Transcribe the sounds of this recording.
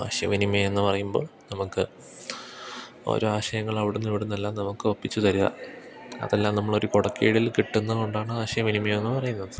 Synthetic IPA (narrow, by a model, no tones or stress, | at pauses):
a̰ːɕjɐ̰ʋinimɐenːɨpɐrɐjumbo̞̰ːɭnɐmukːɨ | o̰ːɾoːaːɕɐjɐŋːɐɭɐʋiɽunːiʋiɽunːelːaːmnɐmukːɨopːit͡ɕːut̪ɐɾuðɐ̰ | ɐ̰ðelːaːmnɐmːɐɭo̞ɾukoɽɐkːijiɽilkiʈːunːɐðuɳɖaːɳɨaːɕɐjɐʋinimɐjme̞nːɨpɐrɐjunːɐðɨ